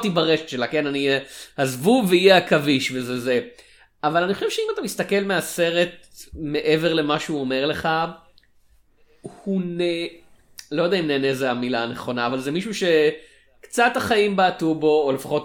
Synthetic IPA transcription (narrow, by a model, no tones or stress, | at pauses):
t̪ibaʁeʃe̥t̪ʃelake̞nanihazvuveijeakaviʃvezeze | avalaniχo̞ʃevʃeimat̪amist̪ake̞lmease̞ʁe̞t̚me̞ʔe̞veʁle̞maʃeuome̞ʁleχa | hune | lo̞jad̪eaimneːnezeamilaːneχo̞naːvalzemiʃuʃe̞ | kt͡sat̪aχaimbaːtubo̞ːlefḁχo̞t